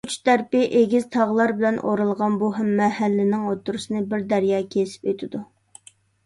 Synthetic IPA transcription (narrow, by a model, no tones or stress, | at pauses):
ut͡ʃd̪æɾpɪʔeɡʲɪz̥t̪ʰɑʁlˠɑɾbɪlɛnʔo̰ɾɨlˠʁɑnbuɦæmːɛhælːɪnɪŋot̪ːuɾɨsɨnɨbɪɾd̪æɾjɑːkʲʰesɪ̥pøt̪ʰɪd̪u